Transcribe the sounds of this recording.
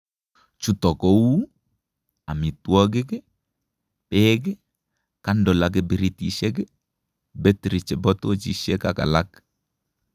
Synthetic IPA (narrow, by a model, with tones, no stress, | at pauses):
t͡ʃu˦tɔ˨ko˦wu˦ | a˨mi˨twɔ˦ɡ̬ɪ˦ke˦ | pɛːɡɛ˦ | ka˦ndɔ˨lak̬e˦bɪ˦ɾi˦ti˦ʃɛ˦ɡ̬e˦ | bɛ˦tɾɪ˨t͡ʃɛ˨bɔ˦to˦t͡ʃi˦ʃɛ˦ka˨ka̰˨la˦k